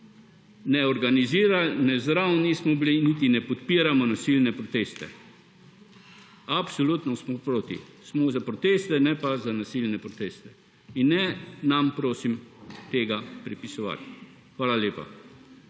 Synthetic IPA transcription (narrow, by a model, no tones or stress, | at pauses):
nɛɔɾɡaniziːɾalnɛzɾawnismɔbilinit̪̬inɛpɔt̪piːɾamɔnasilnɛpɾɔt̪eːst̪ɛ̰ | apsɔlut̪nɔsmɔpɾoːt̪ḭsmɔzapɾɔt̪eːst̪ɛnɛpazanasilnɛpɾɔt̪eːst̪ɛ̥ | inːɛnampɾoːsimt̪eːɡapɾɛpisɔʋa̰t̪ | xʋaːlaljeːpa̰